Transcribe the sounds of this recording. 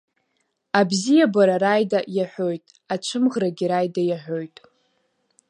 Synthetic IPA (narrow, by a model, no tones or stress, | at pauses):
abzijabaɾaɾajdajaħʷᶣo̞jtʼ | at͡ʃʷʰɨmʁraɡʲiɾajdajaħʷᶣo̞jtʼ